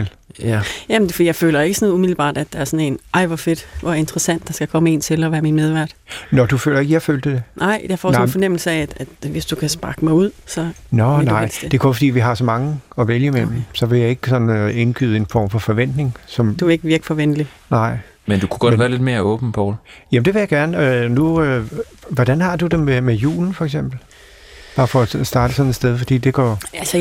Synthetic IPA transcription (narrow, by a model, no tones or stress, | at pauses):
l | jæmnfd̥ḭːjɑɪfø̰ːlɐe̝ɡ̥əsɒ̽nð̩ˠumiðˠl̩əb̥ɑ̰̈ːd̥æd̥ɑ̈æɐsɒ̽ne̝nʔɑ̈ɪʋɒfe̝d̥ʋɒe̝nd̥ʁɐsæn̰d̥ːɑ̈sɡ̥ækʰɒ̽məe̝ːnt͡sʰe̝lɒʋæːɐminmeð̞ˠʋæɐ̰d̥nɒd̥ufø̰ːlɐe̝ɡ̥əjɑɪføːld̥ed̥e̝nʔɑ̈ɪ̰d̥eɐfɒ̰mnfɒ̽nem̰l̩səæd̥æd̥ʋe̝sd̥ukʰæsb̥ɑ̈ɡ̥əmɑ̈ɪuð̞̰ˠsɒ̽nɒnɪ̰̥sd̥d̥e̝kʰɔfd̥ḭːʋiɦɑ̈sɒ̽mɑ̈ŋəɒ̽ʋeljəmem̩sɒ̽ʋe̝jɑ̈ɪe̝ɡ̥əsɒ̽nn̩e̝nɡ̥y̰ːð̩ˠe̝nfɒ̰ːmfɒ̽fɒʋen̰d̥ne̝ŋsɒ̽md̥ueɡ̥əʋiɐɡ̥ifɒʋenlinɑ̈ɪ̰ | mend̥ukʰuɡ̥ɒdʋæːɐled̥me̝ːɐɔ̽ːb̥nəpʰɒːljæmn̩d̥e̝ʋe̝jäɡ̥æɐnəønuø | ʋɒd̥ænhɑ̈d̥ud̥ememejṵːln̩fɒ̽eɡ̥s̬em̰b̥l̩ | b̥ɑ̈ːfɒ̽sd̥ɑ̈ːd̥əsɒ̽nesd̥eð̞ˠfɒ̽d̥ḭːd̥e̝ɡ̥ɒ̰ælsə